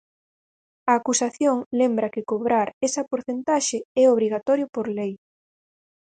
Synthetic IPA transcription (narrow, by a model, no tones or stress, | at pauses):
ɐːkusaθjoŋlembɾɐkɪkoβɾaɾɛsɐpoɾθent̪aʃɪɛoβɾiɣat̪ɔɾjopoɾlej